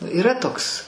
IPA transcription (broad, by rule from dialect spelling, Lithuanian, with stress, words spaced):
iːˈrɐ ˈtoːks